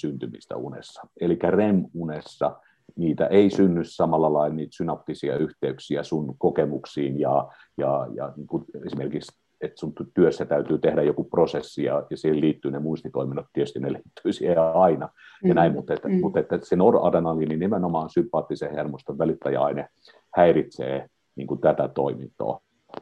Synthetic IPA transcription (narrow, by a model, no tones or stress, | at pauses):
synt̪ymḭst̪æ̰ṵnḛsːɑ̥elikːæremunesːɑ̰ | niːt̪æ̰ʔeisynːyssɑmɑlːɑlɑilniːt̪synɑpt̪isiɑ̰yht̪eyksiæsunkokemuksiːnjɑ | jɑjɑ̰niːŋkuesimerkiks | et̪sunt̪t̪yøsːæt̪æyt̪yːt̪ehdæjokuprosesːijɑ̰jɑsiheliːt̪ːyːnemuist̪it̪oiminɑt̪t̪ietyst̪ineliːt̪ːyisiheɑinɑ | jɑnæimmut̪ːet̪mut̪et̪ːæsenorɑ̰denɑlininemenomɑːnsympːˑɑːt̪ːisehermost̪eʋʋælit̪ːæjɑɑine | hæirit̪sḛː | niːŋkut̪æt̪æt̪oimint̪ˑo̰ː